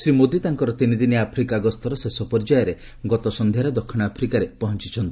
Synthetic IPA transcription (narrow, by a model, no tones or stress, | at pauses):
sɾimod̪it̪aŋkɔɾɔt̪inid̪iniapʰɾikaɡɔst̪ɔɾɔsesɔpɔɾd͡ʒajɔɾe | ɡɔt̪ɔsɔnd̪ʱjaɾɔd̪ɔkʰːiɽ̃apʰɾikaɾepɔɦɔnt͡ʃit͡ʃʰɔnt̪ii